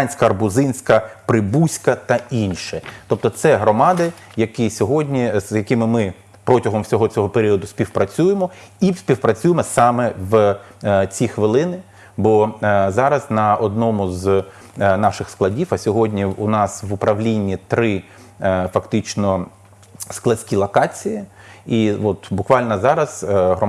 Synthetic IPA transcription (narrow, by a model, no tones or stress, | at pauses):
nʲsʲkɐɐrbʊzɪnʲsʲkɐpɾɪbusʲkɐt̪ɐinʃɛt̪ɔp̚t̪ɔt̪sɛɦɾɔmɑd̪ɪ | jɐkisʲɔɦɔdʲnʲizjɐkɪmɪmɪ | pɾɔtʲɐɦɔmwsʲɔɦɔt͡sʲɔɦɔpeɾʲiɔd̪ʊsʲpʲiwpɾɐt͡sʲujemɔisʲpʲiwpɾɐt͡sʲujemɔsɑmɛʋ | t͡sʲixʋɪlˠɪnɪ | bɔzɑɾɐznɐɔd̪̚nɔmʊz | nɑʃɪxsklˠɐdʲifɐsʲɔɦɔdʲnʲiʊnɑsʋʊpɾɐʋlʲinʲːit̪ɾɪ | fɐkt̪ɪt͡ʃnɔ | sklˠɐsʲkʲilˠɐkɑt͡sʲiji | iʋɔt̪bʊkʋɑlʲnɐzɑɾɐzɦɾɔ